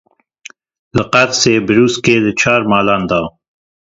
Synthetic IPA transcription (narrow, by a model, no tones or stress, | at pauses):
ləqat̪seːbəɾuːskeːlət͡ʃʰɑːɾmɑːland̪ɑː